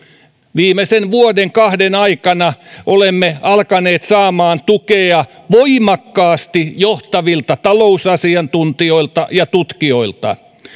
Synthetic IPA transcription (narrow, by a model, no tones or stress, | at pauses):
ʋiːmesenʋuodeŋkɑhdenɑikɑnɑʔolemːeɑlkɑneːt̪sɑːmɑːnt̪ukeɑ | ʋoimɑkːɑːst̪ijoht̪ɑʋilt̪ɑt̪ɑlousɑsiɑnt̪unt̪io̞ilt̪ɑjɑt̪ut̪kioilt̪ɑ̰